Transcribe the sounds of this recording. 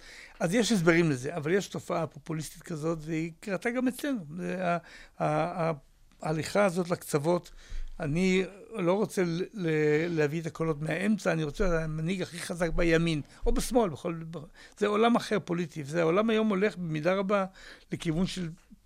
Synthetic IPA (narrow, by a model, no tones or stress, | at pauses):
azjeʃhesbeʁimleze̞avaljeʃto̞faapo̞pulist̪it̪kazo̞tveikʁataɡame̞t͡sle̞nuzeaaː | aliχaːzo̞t̬lakt͡savo̞tanilo̞ʁo̞t͡se̞lelehaviet̪akolo̞tmeae̞mt͡saːniʁo̞t͡seamaniɡaχiχazak̚bajamin | obesmo̞lbeχolbz̥eo̞lamaχe̞ʁpo̞litivezeaolamajo̞mo̞le̞χbemidaʁabale̞kivunʃe̞l